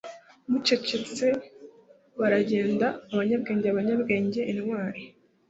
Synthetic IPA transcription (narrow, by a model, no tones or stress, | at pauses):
muce̞ce̞t͡se̞ | βaɾaɟe̞ːndaːβaɲabɡe̞ːɲɟeaβaɲabɡe̞ːɲɟe̞ʔːniwaːɾi